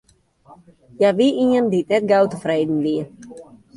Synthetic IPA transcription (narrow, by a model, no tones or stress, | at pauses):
jaʋiʔiəndit̚nɛt̚ɡawtəfreːdn̩ʋiə